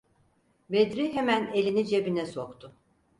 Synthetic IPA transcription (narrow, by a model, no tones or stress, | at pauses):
bed̪ɾiɦemæne̞lʲinid͡ʒebinɛsokt̪ʰʊ